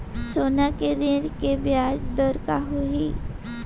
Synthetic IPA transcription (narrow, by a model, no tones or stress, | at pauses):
soːnakeɾeɾkebjaːd͡ʒd̪əɾkaɦoɦi